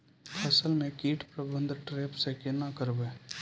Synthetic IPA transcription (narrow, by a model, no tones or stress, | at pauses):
pʰɐsəlmẽkiːʈʰpɾəbʱə̃nd̪ʱʈɾeːpsekɪnakəɾbeː